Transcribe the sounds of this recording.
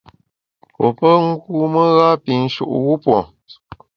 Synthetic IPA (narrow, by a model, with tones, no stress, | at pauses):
po˨pə˦ŋ̩˦ɡu˦mə˦ɣa˦pi˨n̩˦ʃṵ˨ʔɣu˦pwɔ̰˨